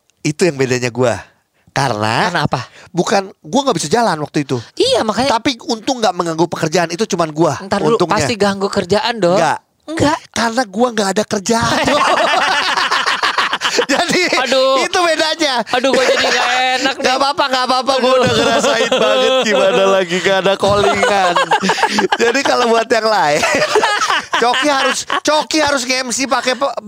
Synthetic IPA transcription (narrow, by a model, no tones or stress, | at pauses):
it̪ujaŋbedaɲaɡua̰ | kaɾə̰na̰anaapabukanɡuaŋɡabisad͡ʒalanwak̚t̪uit̪uijamakaɲt̪apiunt̪ʊŋɡaʔməŋaŋɡupəkərd͡ʒaanit̪ut͡ʃumanɡuat̪aunt̪ʊŋpasɲasat̪iɡaŋɡukərd͡ʒaʔandɔŋŋɡa̰ʔ | ŋɡaʔkarənaɡuaŋɡaʔːdakərd͡ʒaa | d͡ʒadiit̪ubedaɲaaduɡd͡ʒadiŋɡaenak̚ŋɡapapaŋɡapap̬aɡuaudaɡəɾasaɪt̪̚baŋət̪̚kibadalaɡiŋɡaːdakoliŋannd͡ʒadikalobuat̪jaŋlaɛnt͡ʃokihaɾʊst͡ʃokiɦaɾʊs̬ŋɛmsipakɛp